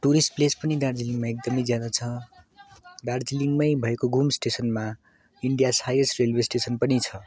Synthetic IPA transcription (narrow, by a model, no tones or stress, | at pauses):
ʈuɾisʈplespʌnid̪ard͡ziliŋɡmaek̚d̪ʌmʌjd͡zjad̪at͡sʰʌ | d̪ard͡ziliŋɡmʌjbʱʌekoɡumsʈesʌnma | iɳɖijashajesrelwesʈesʌnpʌnit͡sʰʌ